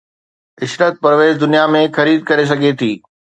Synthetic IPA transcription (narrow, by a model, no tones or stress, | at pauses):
ɪsɾət̪̚pɐɾʋeːzd̪ʊnijamẽxɐɾiːd̪̚kɐɾes̬ɐɡʱet̪ʰiː